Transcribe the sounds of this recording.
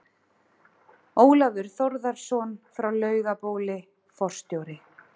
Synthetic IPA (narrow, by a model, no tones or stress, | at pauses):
oːwlavʏɾ̥θoɾðaɾ̥sɔːnfɾawlœːɥɣapoːwlɪ | fɔr̥st̪joːwɾɪ